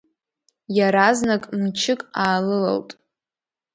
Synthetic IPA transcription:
jaɾaznakʼmt͡ʃʰɪkʼaːlɨla̰ltʼ

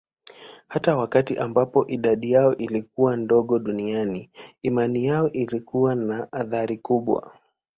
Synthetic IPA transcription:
hatawakatiʔambapɔʔiɗaɗijaɔʔilik̚uwandɔɠɔɗunianiːmanijaɔʔilikuwanaʔːðaɾikuɓwa̰

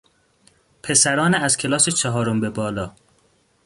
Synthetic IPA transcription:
pʰe̞sæɾɒːneæz̥cʲʰelɒːset͡ʃʰæɦɒːɾombebɒːlɒː

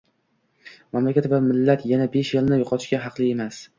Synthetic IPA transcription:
mamlakʲat̪vamɪlːat̪janabe̞ʃelnɪjoqʰɒt̪ʰɪ̥ʃɡʲaɦɑqlˠɪe̞mas

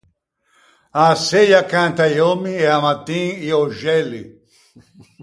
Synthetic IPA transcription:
asejakãnt̪ajomieamat̪ːĩŋioʒɛlḭ

